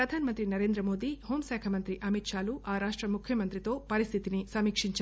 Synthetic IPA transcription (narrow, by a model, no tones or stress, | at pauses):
ɾɐd̪ʱaːnɐmɐnt̪ɾinɐɾeːnd̪ɾɐmoːd̪ihoːmsɛːkʰɐmɐnt̪ɾiʔɐmit̪ʃaːluʔaːɾaːʂʈɾɐmukʰːjɐmɐnt̪ɾit̪oːpɐɾist̪ʰit̪inisɐmiːkʂiɲt͡ʃ